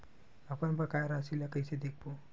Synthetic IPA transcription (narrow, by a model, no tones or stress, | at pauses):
apənbakajɾasilakəjsed̪ek̚bo